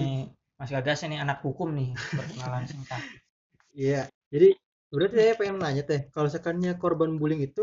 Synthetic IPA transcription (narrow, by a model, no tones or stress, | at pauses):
masʊkadasanianak̚hukʊmnɪhpərtəmalansəŋt̪ah | ija | d͡ʒadi | bəɾart̪isajapaɪmnaɲat̪ahkalos̬əkanɲakorbanbulɪŋit̪u